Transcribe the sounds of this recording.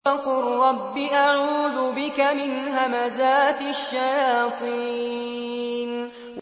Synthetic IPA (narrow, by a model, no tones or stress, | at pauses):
aqʊɾɾˤɑbːɪʔaʕuːðʊbɪkamɪnɦamazaːt̪ʃːajaːt̪ˤi | n | w